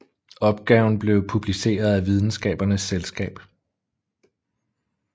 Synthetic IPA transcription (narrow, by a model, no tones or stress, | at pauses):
ɒ̽b̥̚ɡ̥ɛʊn̩b̥le̝ʊpʰub̥lise̝̰ːɐð̞ˠæʋið̞ˠn̩sɡ̥ɛ̰ːb̥ɐnəsːelsɡ̥ɛ̰ːb̥